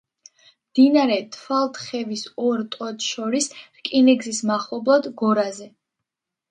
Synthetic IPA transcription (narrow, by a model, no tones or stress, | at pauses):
md̪̥inaɾɛt̪ʰfalˠt̪ʰʼχɛvisɔɾt̪ʼɔt̪ʃɔɾisɾkʼinɛɡzismaχɔblˠɔd̪ɡɔɾazɛ